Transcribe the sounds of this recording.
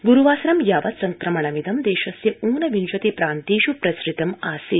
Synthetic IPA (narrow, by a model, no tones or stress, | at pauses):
ɡuɾuʋaːsɾɐmjaːʋɐt̪sɐŋkɾɐmɐɳɐmid̪ɐmd̪eːʃɐsjɐuːnɐʋinʃɐt̪ipɾaːnt̪iːʃupɾɐsɾit̪ɐmaːsi